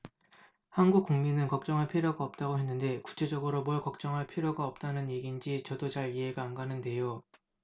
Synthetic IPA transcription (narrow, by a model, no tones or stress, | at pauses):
hanɡuk̚k͈uŋminɯnkʌk̚t͡ɕ͈ʌŋɦaɭpʰiɾjoɡaʌp̚t͈aɡoɦe̞nːɯnde̞ku̥t͡ɕʰe̞d͡ʑʌɡɯɾomʌɭkʌk̚t͡ɕ͈ʌŋɦaɭpʰiɾjoɡaʌp̚t͈anɯnje̞ɡind͡ʑit͡ɕʌdot͡ɕaɭiɦe̞ɡaːnɡanɯnde̞jo